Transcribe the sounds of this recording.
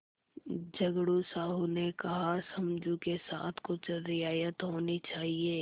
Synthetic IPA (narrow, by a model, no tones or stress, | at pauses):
d͡ʒɐɡɽusaːɦunekɐɦasɐmd͡ʒũkesa̰ːt̪ʰkʊt͡ʃɾɪaːjət̪ɦoːnit͡ʃaːɦieː